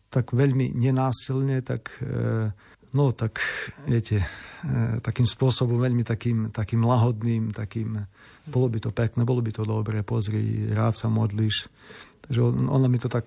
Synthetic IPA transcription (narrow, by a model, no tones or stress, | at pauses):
t̪akʋɛʎmḭɲɛnaːsilɲɛt̪a̰k | nɔt̪akʋjɛcɛ | t̪akiːmspʊɔsɔbɔmʋɛʎmit̪akiːmt̪akiːmlaɦɔd̪niːmt̪akiːm | bɔlɔbit̪ɔpɛknɛːbɔlɔbit̪ɔd̪ɔbɾɛːpɔzɾḭːɾaːt̪samɔd̪liʃt̪aɡʒɛɔɔ̰namit̪ɔt̪ak